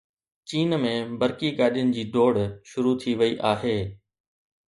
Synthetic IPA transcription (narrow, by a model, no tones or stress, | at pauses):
t͡ɕiːnmẽbɐɾkiɡaːɗijənɪ̆d͡ʑiːɖoːɽʃʊɾut̪ʰiʋɐiʔaːɦeː